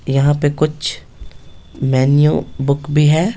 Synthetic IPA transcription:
jɐɦãpekʊt͡ʃʰ | mɛːnijubʊkbʱiɦɛː

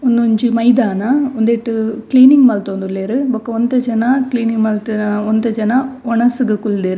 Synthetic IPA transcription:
ɔnd̪ɯɲd͡ʒɯmɐɪd̪aːnaɔnd̪eːʈːɯkliːnɪŋɡmaːlt̪ɐɔnd̪ɯlːeːɾɯbɔkːɐɔnd̪ɐd͡ʒɐnakliːniŋmaːlt̪ɯɔnd̪ɐd͡ʒɐnaɔɳɐsɯkɯkʊld̪eːɾɯ

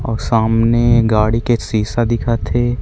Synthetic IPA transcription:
ɔːɾsaːmneɡaːɽikesiːsad̪ɪkʰat̪ʰeː

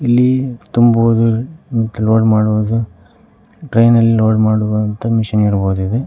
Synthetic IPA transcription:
ilːit̪umbʋod̪umɐt̪ːuloːɖmaːɽuʋd̪u | ʈɾejnɐlːiloːɖmaːɽuʋɐnt̪ɐmiʃɐniɾbo̞ːd̪uid̪e

